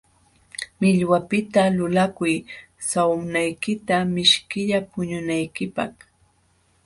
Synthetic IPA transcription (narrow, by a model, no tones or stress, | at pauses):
mɪʎwapɪt̪alʊlakʊj | sawmnajkɪt̪amɪʃkɪʎapʊɲʊnajkɪpɑ̰χ